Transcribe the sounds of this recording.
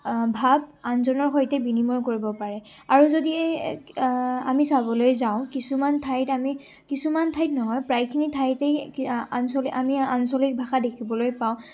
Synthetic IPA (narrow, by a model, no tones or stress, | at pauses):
bʱabanzɔnɔɹxojtɛbinimɔɹkoɹibɔpaɹɛ | aɹuzodiɛ | amisabɔlojzaʊ̃kisumantʰajtami | kisumantʰajtnɔɦɔjpɹajkʰinitʰajtɛansoliamiansɔlik̚bʱaxadekʰibɔlojpaʊ̃